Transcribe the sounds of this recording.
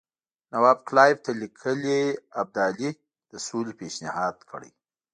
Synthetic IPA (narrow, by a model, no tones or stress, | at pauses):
nawabklɑjɪb̚t̪alikʰəleab̚d̪ali | d̪̥əsulpeʃnɪhɑd̪kʰəɽə̰j